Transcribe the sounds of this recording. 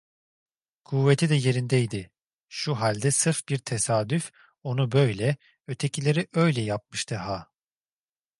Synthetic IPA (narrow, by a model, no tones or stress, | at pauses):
kʰuvːet̪ʰid̪ɛje̞ɾind̪ɛjd̪ɪ | ʃuɦalʲd̪ɛsɯɾfbiɾt̪ʰesaːd̪yf | o̞nubø̞jlʲɛ | ø̞t̪ʰe̞cʰilʲe̞ɾiʔø̞jlʲɛjap̚mɯʃt̪ʰɯɦa